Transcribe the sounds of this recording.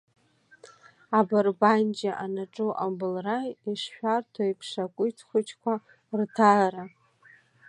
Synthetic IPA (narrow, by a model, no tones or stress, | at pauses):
abarband͡ʒaʔanaʈ͡ʂʼuʔabɨlrajiʂʃʷᶣartʰaipʰʂakʷʼʊtʰχʷʊt͡ʃʰʼkʷʰa | rtʰaɾa